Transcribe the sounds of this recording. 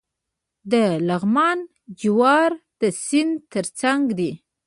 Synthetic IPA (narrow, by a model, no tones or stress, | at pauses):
d̪əlaɣmɑn | d͡ʒɪwɑɾd̪̥əsɪnd̪t̪əɾt͡saŋɡd̪i